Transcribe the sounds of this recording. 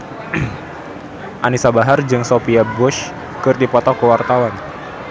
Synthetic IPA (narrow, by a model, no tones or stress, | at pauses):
ʔanisabaɦard͡ʒɨŋsofiabʊʃ | kɨrd̪ipɔt̪ɔkəwart̪awan